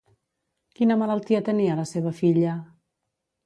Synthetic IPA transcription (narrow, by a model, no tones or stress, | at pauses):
kinəmələlˠt̪iət̪əniələseβ̞əfiʎə